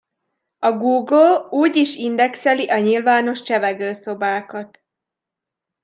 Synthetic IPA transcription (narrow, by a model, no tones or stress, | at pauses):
ɒɡuːɡluːɟiʃind̪ɛksɛliʔɒɲilvaːno̞ʃt͡ʃɛvɛɡøːso̞baːkɒt̪